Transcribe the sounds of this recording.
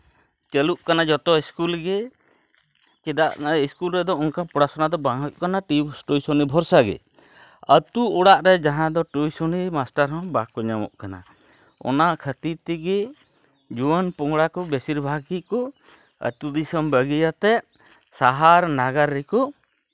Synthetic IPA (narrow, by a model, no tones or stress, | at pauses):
t͡ʃəluʔkanad͡ʒɔt̪ɔiskulɡɛ | kɛd̪aʔiskulɾɛd̪ɔɔŋkapɔɽasɔnad̪ɔbaŋuʔkanaʈibsʈojsɔnibʱɔɾsaɡɛ̰ | ət̪uɔɽaʔɾɛd͡ʒaɦãd̪ɔʈujsɔnimasʈaɾɦɔ̃bakɔɲamɔ̰ʔkana̰ | ɔ̰naʔkʰət̪iɾt̪ɛɡɛ | d͡ʒuwənpɔŋɽakɔbɛsiɾbʱaɡikɔ | ə̰t̪ud̪isɔmbəɡijat̪ɛʔ | saɦaɾnaɡaɾːɛkɔ